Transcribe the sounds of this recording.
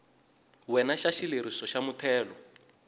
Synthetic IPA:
wɛnaʃaʃileɾisɔʃamutʰɛːlɔ

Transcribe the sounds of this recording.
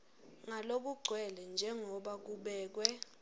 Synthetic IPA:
ŋalok̬uɡ͡ǀʱwɛlɛnd͡ʒʱɛŋɔɓak̬uɓɛːk̬wɛ

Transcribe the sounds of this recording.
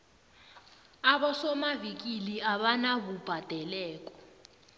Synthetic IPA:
aɓɔsɔmavik̬iliaɓanaβub̥ʱad̥ʱɛlɛːk̬ʼɔ̥

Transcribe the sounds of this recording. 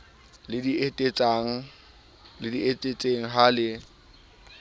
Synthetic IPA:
lɪdietʼet͡sʼaŋ̩ | lɪdietʼet͡sʼeŋ̩ɦalɪ

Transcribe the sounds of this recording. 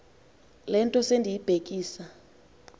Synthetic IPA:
lɛntʼɔsendʱijib̥ʱek̬ʼiːsa

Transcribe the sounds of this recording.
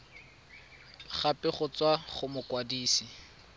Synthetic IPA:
χapɪχʊt͡swaχʊmʊkwadiːsi

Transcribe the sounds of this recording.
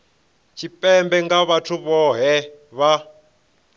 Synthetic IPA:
t͡ʃʰipʼɛmbɛŋɡaβatʰuβɔɦɛβa

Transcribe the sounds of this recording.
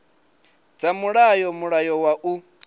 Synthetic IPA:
d͡zamuɺajɔmuɺajɔwaʔu

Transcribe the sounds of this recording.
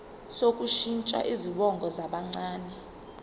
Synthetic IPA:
sokʼuʃint͡ʃʼa̰ʔiziɓɔŋɡʱɔzaɓaŋ͡ǀaːnɛ

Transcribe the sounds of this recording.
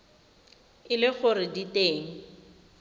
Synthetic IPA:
ɪlɪχʊrɪditeːŋ̩

